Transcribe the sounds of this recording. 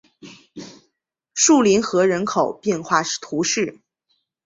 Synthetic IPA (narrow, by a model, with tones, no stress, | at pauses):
ʂu˥˩li˧˥nxɤ˧˥ɻə˧˥nkʰo˨˩ʊpjɛ˥˧nxwa˥˧˥t̪ʰu˧˥ʂɻ̩˥˩